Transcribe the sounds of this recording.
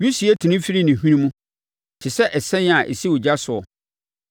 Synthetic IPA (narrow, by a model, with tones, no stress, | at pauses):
ɥi˦si˨ɛ˦tʰi˨nĩ˦fi˦ɾi˦nɪ̃˨ɦĩ˦nĩ˦mũ˦ | t͡ɕʰɪ˨sɛ˦ʔɛ˨sɛ̃˦n˦a˨ʔḛ˨si˦ʊ˨d͡ʑa˦sʊ˨ɔ˨